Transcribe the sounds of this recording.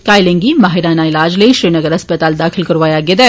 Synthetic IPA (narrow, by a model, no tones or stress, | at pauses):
kaːjlẽŋɡimaːɦɪɾaːnaɪlaːd͡ʒleiʃɾiːnəɡəɾɐspət̪aːld̪aːkʰɪlkɐɾʋaːjaɡɪd̪ɛ